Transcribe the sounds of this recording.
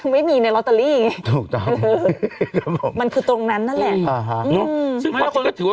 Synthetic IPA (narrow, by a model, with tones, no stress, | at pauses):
ma˥˩jmiː˧na˧jlɔ˦˥t̪a˧liː˥˩˨ŋa˦˩t̪ʰuː˨˩k̚t̪ɔ˥˩˧ŋː˧kʰa˦˥pʰo˨˩˦ma˧nkʰɯː˧t̪ɾo˧ŋna˦˥nːa˦˥˩lɛ˨˩ʔʔaː˧˩ɦa˦˥ʔɯnʰ˧˦˥ɯ˨˩˦aː˥˩kʰo˧na˥˩t̪ʰɯː˨˩˦wa˥